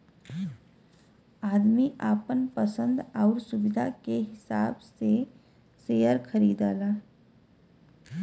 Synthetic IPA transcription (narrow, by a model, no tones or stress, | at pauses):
aːd̪miʔaːpənpəsə̃nd̪aʊɾsʊbɪd̪ʱa̰keɦɪsaːbse | seːjəɾkʰəɾiːd̪aːlaː